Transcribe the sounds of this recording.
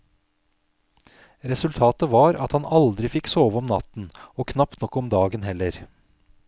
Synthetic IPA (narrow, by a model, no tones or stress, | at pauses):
ɾɛsʉlt̪ʰɑːt̪əʋɑːɾɑ̰t̪hɑnɑld̪ɾɪfɪksoːʋəɔmnɑ̰t̪n̩oːkʰnɑpt̪nɔkːɔmd̪ɑːɡənɦɛləɾ